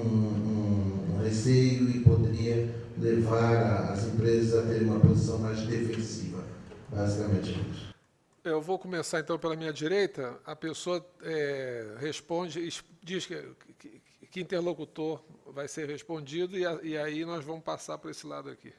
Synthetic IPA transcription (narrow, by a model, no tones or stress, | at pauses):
ũũũhesejʊɪpod̪eɾiɐlevaɾaɐ̰zẽmpɾezɐzat̪eɾũmɐpozisɐ̃w̃majzd̪efẽsivɐbazikamẽnt͡ʃɪit͡ʃ | ewvowkõmesaɾẽnt̪ɐ̃w̃pelɐmĩɲɐd͡ʒiɾejt̪ɐɐpesoɐɛheʃpõd͡ʒɪɪʃd͡ʒiʃ | kɪĩnt̪eɾlokut̪oɾvajseɾheʃpõnd͡ʒid̪ʊɪɪainɔzvɐ̃mʊʃpasaɾpʊɾesɪlad̪ʊaki